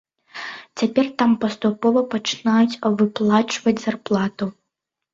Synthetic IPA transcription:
t͡sʲapʲɛrt̪ampɐst̪upɔvɐpɐt͡ʂɨ̥najut͡sʲvɨplˠat͡ʂvɐd͡zʲzarplˠat̪u

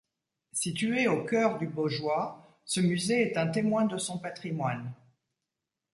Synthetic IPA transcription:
sit̪yeokʲœʁd̪yboʒwa | səmyzeɛt̪ɛ̃t̪emwɛ̃d̪əsɔ̃pat̪χimwan

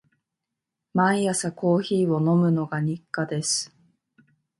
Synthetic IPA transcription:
mãɰ̃jasako̞ːçiːo̞no̞mɯ̟no̞ɡaɲ̟ikːad̪e̞sɨ̥

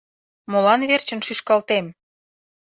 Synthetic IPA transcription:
molɑnβert͡ɕə̆nʃyʃkɑlt̪em

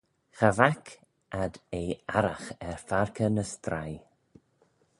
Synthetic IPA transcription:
xavakʰ | ʔad̪eːaɾaxɛɹfaɹkʰənəst̪ɾaj

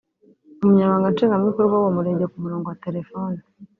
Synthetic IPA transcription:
umuɲaɾβaːŋɡant͡ʃiːŋɡamikoɾɡwawomuɾe̞ːɲɟekumuɾoːŋɡowate̞ɾe̞fo̞ːni

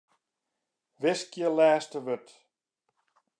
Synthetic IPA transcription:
ʋɪskjəlɛːstəʋøt

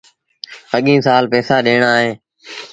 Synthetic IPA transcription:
əɠĩːsaːlpɛːsaːɗeːɳ̃aːɦeː

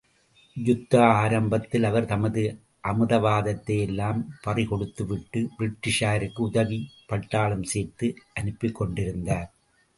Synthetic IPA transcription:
jʊt̪ːɐaːɾɐmbɐt̪ːɪlɐʋɐɾt̪ɐmɐðɯ | ʔɐmɯðɐʋaːðɐt̪ːɐjɛlːaːmpɐrɪkɔɽɯt̪ːɯʋɪʈːɯbɪɾɪʈːɪʂaːɾɯkːɯʊðɐɣipɐʈːaːɭɯmseːɾt̪ɯʔɐnɯpːɪkːɔɳɖɪɾɯnd̪aːɾ

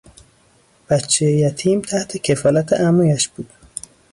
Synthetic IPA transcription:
b̥ætt͡ʃʰːejejæt̪ʰiːmt̪ʰæht̪ʰecʰefɒːlæt̪ʰḛʔæmɒjæʃb̥uːd̪̥

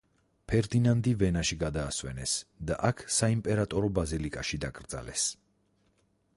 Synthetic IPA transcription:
pʰɛɾd̪inand̪ivɛnaʃiɡad̪aːswɛ̰nɛsd̪a̰ʔakʰsaimpʼɛɾat̪ʼɔɾɔbazilikʼaʃid̪akʼɾd̪z̥a̰lɛ̰s

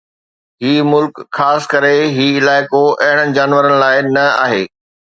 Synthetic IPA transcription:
ɦiːmʊlkxaːsɪ̥kɐɾeɦiːɪlaːɪkoʔɐɦɪɽ̃əɪ̆d͡ʑaːnʋəɾənɪ̆laːɪnɐa̰ːɦeː

